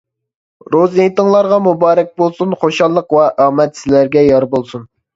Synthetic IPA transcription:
ɾoziit̪əŋlˠɑɾʁɑmubɑːɾɛk̚ʲbolˠsunχoʃɑlˠːəqwɛʔɑːmɛt̪sɪlæɾɡʲɛjɑɾbolˠsun

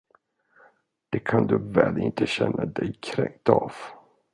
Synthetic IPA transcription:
d̪̥ɛkʰand̪ɵvɛːlɪnt̪ʰəɕɛnːad̪ɛjkʰɾɛŋ̚t̪ɑv̥

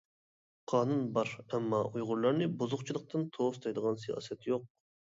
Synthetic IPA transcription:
qʰɑːnunbɑɾɛmːɑʔujʁʊɾlˠɑɾnɨbozʊqt͡ʃʰilˠəq̚t̪ʰɨnt̪ʰost̪ʰɑjd̪əʁɑnsejɑ̰ːsɛt̪joq̚

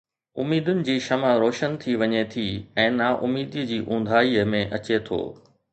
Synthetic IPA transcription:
ʊmiːd̪ʊnɪ̆d͡ʑiːʃɐməɾoːʃənt̪ʰiʋɐɲet̪ʰiɛ̃ːnaʔʊmiːd̪id͡ʑiːʔũːnd̪ʱaːiəmẽʔɐt͡ɕet̪ʰo̰ː

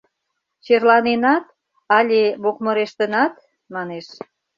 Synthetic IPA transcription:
t͡ɕerlɑnenɑt̪̚ | ɑlʲeβokməɾeʃt̪ənɑt̪ | mɑneʃ

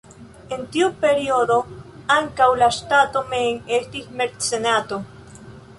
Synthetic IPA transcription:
ent̪iupeɾioðoaŋkawlaʃt̪at̪omeŋest̪ismeɾtsenat̪o

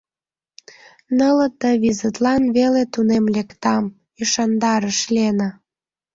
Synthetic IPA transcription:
nələ̆t̪əβizət̪lɑnβelet̪unemlekt̪ɑm | yʃɑnd̪ɑɾəʃlenə

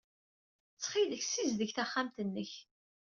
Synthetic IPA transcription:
t͡sːχiləçsizðəçθaχːamt̪ənːəç

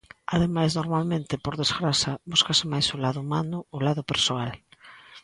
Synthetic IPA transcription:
aðemajznoɾmalmẽnt̪ɪpoɾðezɣɾasɐbuskasɪmajsʊlaðʊmanʊːlaðʊpeɾsoal

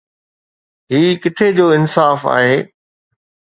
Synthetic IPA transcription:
ɦiːkɪt̪ʰed͡ʑoːɪnsaːfa̰ːɦeː

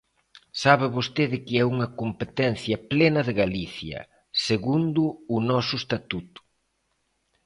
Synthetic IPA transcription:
saβɪβost̪eðɪkɪɛuŋɐkompet̪ɛnθjɐplenɐðɪɣaliθjɐ̰ | seɣund̪ʊːnɔsʊest̪at̪ut̪ʊ̥

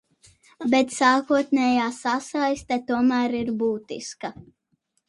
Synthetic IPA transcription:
bet̪saːkuɔt̪nʲɛːjaːsasajst̪ɛt̪uɔmæːɾiɾbuːt̪ḭska

